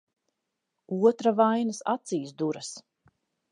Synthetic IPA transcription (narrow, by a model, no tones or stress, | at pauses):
uɔt̪ɾavajnɐsa̰t̪siːsd̪uɾɐs